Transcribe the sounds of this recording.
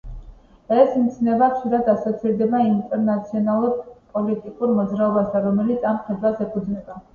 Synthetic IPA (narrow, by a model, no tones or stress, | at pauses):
ɛsmit̪sʰnɛbaχʃiɾad̪asɔt̪sʰiɾd̪ɛbaint̪ʼɛɾnat̪sʰiɔnalˠuɾpʼɔlit̪ʼikʼuɾmɔd̪zɾaɔbasaɾɔmɛlit̪sʰamχɛd̪wasɛpʰud̪znɛba